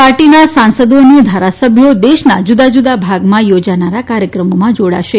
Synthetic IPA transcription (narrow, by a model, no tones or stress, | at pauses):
paɾʈinasãnsəd̪oned̪ʱaɾasəbʱjod̪eʃnad͡ʒud̪ad͡ʒud̪abʱaɡmãjod͡ʒanaɾakaɾjəkɾəmomãd͡ʒoɽa̰ʃe